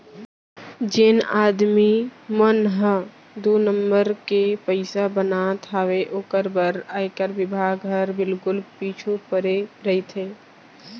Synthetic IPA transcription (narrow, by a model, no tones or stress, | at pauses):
d͡ʒenaːd̪mimənɦə̃ | d̪oːnəmbəɾkepəɪsabənat̪ʰaːʋeʔoːkəɾbəɾaːɪkəɾbɪbʱaːɡɦəɾbɪlkʊlpit͡ʃʰupəɾeɾəit̪ʰe